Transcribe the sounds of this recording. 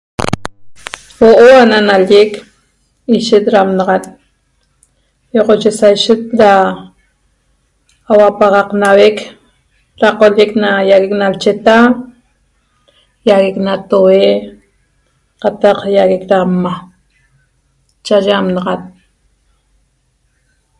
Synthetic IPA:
woʔoananalek | iʃet̪̚ɾaːmnɑʁat̪̚ | joqot͡ʃesajʃet̪̚ɾa | wapaʁɑqnawek | ɾaqoleknajaɣeknalt͡ʃet̪a | jaɣeknat̪owe | qat̪ɑqjaɣekɾamma | t͡ʃaʒeamnɑʁat̪̚

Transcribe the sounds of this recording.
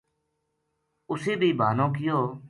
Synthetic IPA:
ʊseːbʱiːbʱaːnõːk̬ɪjoː

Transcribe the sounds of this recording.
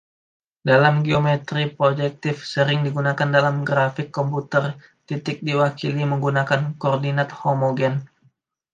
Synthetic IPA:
dalamɡiomɛt̪ɾipɾod͡ʒɛk̚t̪ɪfsəɾɪŋdiɡunakandalamɡɾafɪkːɔmput̪ər | t̪it̪ɪk̚diwakiliməŋɡunakankɔrdinat̪̚homoɡɛn

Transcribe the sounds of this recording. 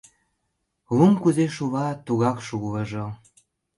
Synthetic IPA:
lumkuzeʃuβɑt̪uɣɑkʃuɣləʒo

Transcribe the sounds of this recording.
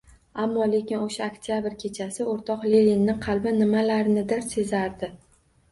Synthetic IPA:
amːɒle̞kʲɪnoʃaokt̪ʰijabɪɾkʲʰe̞t͡ʃʰasɪoɾt̪ʰɒqlelinːɪqʰɑlˠbɪnɪmalaɾɪnɪd̪ɪɾse̞zaɾd̪ɪ

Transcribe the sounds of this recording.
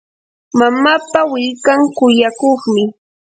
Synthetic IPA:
mamapawɪʎkaŋkʊjakoχmɪ

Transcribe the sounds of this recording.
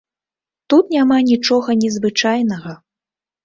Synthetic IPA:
t̪ut̪nʲamanʲit͡ʂɔɣɐnʲɛzvɨt͡ʂajnɐɣɐ

